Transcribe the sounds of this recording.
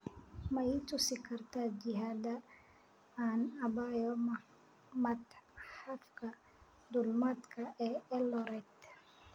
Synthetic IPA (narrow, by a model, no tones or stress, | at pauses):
mɐit̪ʰʊsɪkʰɐrt̪ʰaːd͡ʒɪɦaːd̪ɐ | aːnɐbajɔmɐ | mɐt̪ħafkʰɐ | d̪ʊlmad̪kʰɐʔɛːɛlɔɾɛd̪